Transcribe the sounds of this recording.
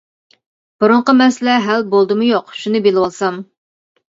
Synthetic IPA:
b̥uɾʊɴqəmɛsɪlɛɦælbolˠd̪ɨmʊjoqʃunɨbelɪwɑlˠsɑm

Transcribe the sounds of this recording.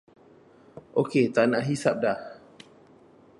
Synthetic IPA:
ʔoket̪anaʔɦisap̚da

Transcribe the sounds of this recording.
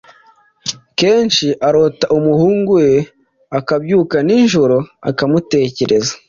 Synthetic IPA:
ke̞ːnʃiʔaɾotaʔumuhuːŋɡuwe̞ | akabɟuːkaninʒuɾoa̰kamute̞ːce̞ɾʔe̞zḁ

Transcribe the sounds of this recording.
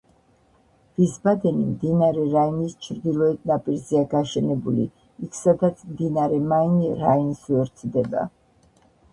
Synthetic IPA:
v̥isbad̪ɛnimd̪inaɾɛɾainist͡ʃʰɾd̪ilˠɔɛd̪̚napʼiɾzɛaɡaʃɛnɛbulḭ | ikʰsad̪at̪sʰmd̪inaɾɛmainɾainsɛɔɾt̪sʰd̪ɛba̰

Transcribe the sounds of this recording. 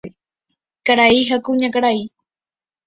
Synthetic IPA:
kaɾaiɦakuɲakaɽaj

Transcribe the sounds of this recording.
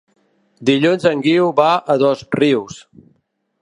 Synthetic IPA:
d̪iʎunzəŋɡiwβaəðɔzriws

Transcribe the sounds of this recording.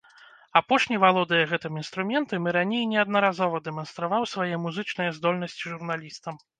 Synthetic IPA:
apɔʂnʲivalˠɔd̪ɐjɐɣɛt̪ɨmin̪st̪ɾumʲɛnt̪ɨmɨɾanʲejnʲɛɐd̪nɐɾazɔvɐd̪ɛmɐnst̪ɾavawsvajɛmuzɨt͡ʂnɨjɐzd̪ɔlʲnɐsʲt͡sʲiʐurnalʲist̪ɐm

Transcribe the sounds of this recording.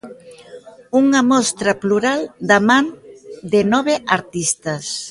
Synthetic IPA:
uŋɐmɔst̪ɾɐpluɾald̪amãnd̪ɪnɔβ̞eʔaɾt̪ist̪ɐs

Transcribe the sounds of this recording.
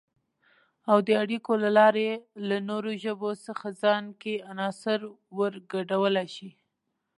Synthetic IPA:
awd̪əaɽikolalɑɾelanoɾoʒəbosəxazɑnkeanɑsɪɾ | wəɾɡaɖawəlaʃi

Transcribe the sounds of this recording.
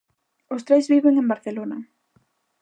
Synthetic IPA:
ost̪ɾezβiβeŋembaɾθelonɐ

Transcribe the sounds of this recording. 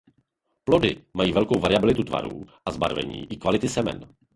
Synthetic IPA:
plo̞dɪ̰majiːvɛlkowvaɾɪabɪlɪt̪ut̪va̰ɾṵːʔazba̰ɾvɛ̰ɲḭːʔɪkvalɪt̪ɪsɛmɛ̰n

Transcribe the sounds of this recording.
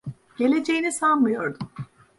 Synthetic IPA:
ɟ̥e̞lʲe̞d͡ʒejinisanmɯjo̞ɾd̪um

